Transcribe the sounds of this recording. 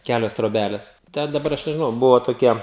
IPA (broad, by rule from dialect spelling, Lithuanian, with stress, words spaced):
ˈkʲælʲoːs troːˈbʲælʲɛs ˈtʲɛ dɐˈbɐr ˈɐʃ nʲɛʒʲɪˈnɐʊ ˈbʊʋoː toːˈkʲiɛ